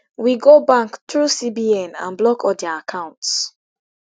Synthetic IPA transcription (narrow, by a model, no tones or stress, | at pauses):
wiɡobãŋktɹusibiɛ̃nã̰nblɔkʰɔdaakʰãʊ̃nts